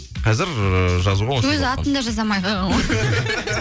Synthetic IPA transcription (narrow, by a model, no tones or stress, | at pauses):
qʰɑzɪɾʒɑzuʁɑwɵzɪɑt̪ənd̪ɑʒɑzɑmɑjʁɑ